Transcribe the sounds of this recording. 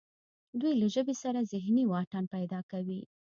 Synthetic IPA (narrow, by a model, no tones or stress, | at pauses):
d̪ujlaʒəbesaɾazɪɦniwɑʈanpajd̪ɑkawi